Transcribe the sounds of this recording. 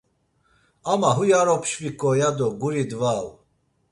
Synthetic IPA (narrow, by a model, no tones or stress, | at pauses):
amaɦujaɾɔpʰʃvikʼɔjad̪ɔɡuɾid̪vaw